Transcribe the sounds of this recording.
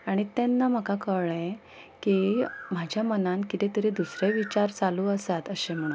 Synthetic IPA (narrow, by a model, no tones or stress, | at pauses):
aɽ̃it̪ɛnːam̤əkakəɭẽ | kim̤ad͡ʑʱjamənãnkit̪et̪əɾed̪usɾeʋit͡ɕaɾt͡saluːəsat̪əɕẽm̤ə̃u